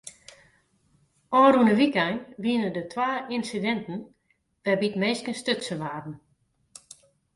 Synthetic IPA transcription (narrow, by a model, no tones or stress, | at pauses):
ɔːrunəʋikajnʋiənədətʰwaːinsidɛntən̩ | ʋɛbitmeːskənstøsəʋaːdn̩